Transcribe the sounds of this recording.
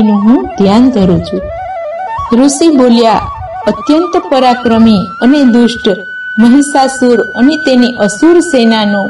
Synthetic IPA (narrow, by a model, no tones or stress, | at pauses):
nũɦũd̪ʱjand̪ʱəɾũt͡ʃʰu | ɾusibolja | ət̪jənt̪əpəɾakɾəmiəned̪usʈ | məɦisasuɾənet̪eniʔəsuɾsenanũ